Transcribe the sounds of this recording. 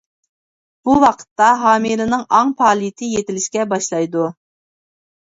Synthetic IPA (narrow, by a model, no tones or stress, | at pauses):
b̥uwɑqʰə̥t̪ːɑɦɑːmiɾɨnɨŋɑŋpʰɑːlˠijit̪ʰɪjet̪ɪlɪʃkʲɛbɑʃlˠɑjd̪u